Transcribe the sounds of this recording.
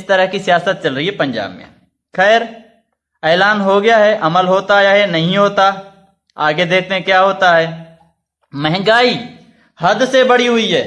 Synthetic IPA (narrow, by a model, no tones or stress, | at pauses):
st̪əɾəɦkisɪjaːsət̪̚t͡ʃɐlɾəɦiɦɛpɐ̃ɲd͡ʒa̰ːbmḛ̃ | xɛːɾ | eːlaːnɦoɡɐjaɦɛʔɐməlɦoːt̪ajaɦɛnɐɦĩɦoːt̪a | aːɡed̪eːk̚ʰt̪eɦẽkjaːɦoːt̪aɦɛː | mɛɦŋɡaːi | hɐd̪sebɐɽiɦʊiɦɛː